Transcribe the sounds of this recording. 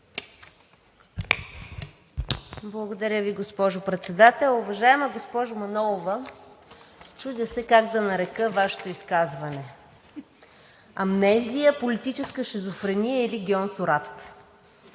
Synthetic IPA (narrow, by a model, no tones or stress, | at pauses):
blˠɐɡod̪ɐɾʲəviɡospɔʒʊpɾɛt̪sɛd̪at̪ɛlˠʊvɐʒaɛməɡospɔʒʊmɐnɔlˠovə | t͡ʃuʒd̪ʲəsɛkaɡd̪ɐnɐɾɛkəvaʃɛ̥t̪oiskazvɐnɛ | ɐmnɛzijəpolit̪it͡ʃɛskəʃɛzofɾɛnijəiliɡʲiɔnsʊɾat̪